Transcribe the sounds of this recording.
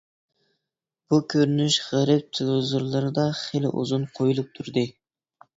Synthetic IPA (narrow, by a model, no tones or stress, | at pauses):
b̥ukʲʰøɾynyʃʁæɾɪp̚t̪ʰɪlˠozuɾlˠɑɾd̪ɑχelɪ̰ʔṵzunqʰojulˠup̚t̪ʰuɾd̪ɨ